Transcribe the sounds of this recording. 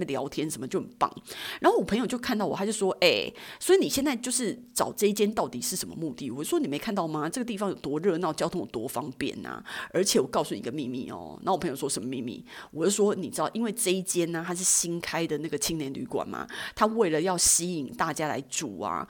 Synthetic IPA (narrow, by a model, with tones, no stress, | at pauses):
ljɑ˧˥ʊt̪ʰjɛ˥nʂə˧˥nmə˧t͡ɕo˥˩ʊxnpɑ̰˥˩ŋɻa˧˥nxo˥˩ʊwɔ˨˩pʰə˧˥ŋjo˨˩ʊt͡ɕo˥˧ʊkʰa˥˧nt̪ɑ˥˩wɔ˨˩a˥t͡ɕo˥˩ʂwɔ˥ʔe˥˩ɪswɔ˧˥i˧˥ni˨˩ɕjɛ˥˧nt͡sa˥˧ɪt͡ɕjo˥˧ʊʂɻ̩˥˩ʈ͡ʂɑ˨˩ʊʈ͡ʂɤ˥˧i˥˩t͡ɕjɛ˥nt̪ɑ˥˩ʊt̪ḭ˨˩ʂɻ̩˥˩ʂə˧˦nmə̰˧mu˥˧t̪i˥˩wɔ˨˩t͡ɕo˥˩wɔ˥ni˨˩me˧˥ɪkʰa˥˧nt̪ɑ˥˩ʊma˩ʈ͡ʂɤ˥˩ɡə˩t̪̬i˥˩fɑ˧˦ŋjo˨˩ʊt̪wɔ˧˥ɻɤ˥˧na˥˩˧t͡ɕjʊt̪ʰʊ˥ŋwɔ˨˩t̪wɔ˧˥fɑ˥ŋpjɛ̰˥˩nɐ̰˩ə˞˧˥t͡ɕʰjɛ˨˩wɔ˨˩kɑ˥˧ʊsu˥˩i˨˧˦ɡ̪ə˦mi˥˧mḭ˥˩ɔ̰˨˩na̰˧˥o˥˩˨pʰjo˨˩wɔ˥ʂə˧˦mə˧mḭ˥˧nmḭ˥˩wɔ˨˩t͡ɕjo˥˧˩ʂwɔ˥ni˨˩ʈ͡ʂɻ̩˥t̪ɑ˥˩ʔi˥nwe˥˧ɪʈ͡ʂɤ˥˧i˥t͡ɕjɛ˥na˨t̪ʰa˥ʂ̬ɻ̩˥˩ɕi˥ŋkʰa˥ɪd̪ə˨na˥˩ɡə˩t͡ɕʰi˥ŋnjɛ˧˥˦nly̰˧˥kwa̰˨˩nma̰˩t̪ʰa˥we˥˩ɪlə˨jɑ˥˩ʊɕi˥i˨˩ŋt̪a˥˩t͡ɕja˥la̰˧˥ɪʈ͡ʂu˨˩a̰˩